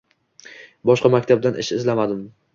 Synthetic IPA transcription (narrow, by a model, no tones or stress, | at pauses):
bɒʃqɑmakʲt̪ʰab̚d̪anɪ̰ʃɪzlamad̪ɪm